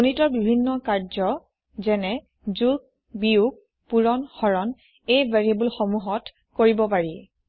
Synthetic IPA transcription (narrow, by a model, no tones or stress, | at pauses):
onitɔɹbibʱinːɔkaɹzɔ | zɛnɛ | zuɡ̚ | biuɡ̚ | puɹɔnxɔɹɔn | ejvaɹiabulxomuɦɔt | koɹibɔpaɹi